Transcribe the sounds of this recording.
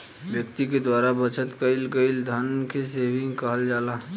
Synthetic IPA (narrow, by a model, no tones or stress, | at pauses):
ʋjək̚t̪iked̪waːɾabɐt͡ʃʰət̪kɐɪlkəɪld̪ʱənkeseːbɪ̃ŋɡkɐɦəld͡ʒaːlaː